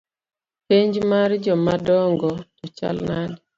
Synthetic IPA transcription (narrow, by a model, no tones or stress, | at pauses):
peɲd͡ʒmaɾd͡ʒɔmadɔŋɡɔtɔt͡ʃa̰lnad